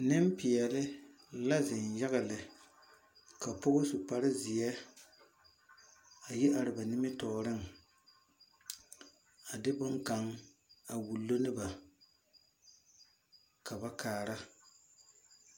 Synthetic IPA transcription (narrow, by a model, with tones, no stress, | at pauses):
nɪ˦mpɪ˨ɛ˨lɪ˦ | la˦zɪ˨nja˦ɣɪ˨lɪ˨ | ka˨pʊ˦ɣʊ˦su˨pa˨ɾɪ˦zɪ˨ɛ˦ | a˨ji˦ʔa˨ɾɪ˨ba˨nɪ˦mɪ˦tɔː˨˦ɾɪ˦ŋ˨ | a˨dɪ˦bʊ˦ŋka˨ŋ | a˨wu˨lːo˦nɪ˦ba˨ | ka˨ba˦kaː˨ɾa˦